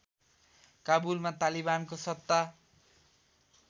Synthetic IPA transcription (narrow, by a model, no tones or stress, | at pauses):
kabulmat̪alibankosʌt̪ːa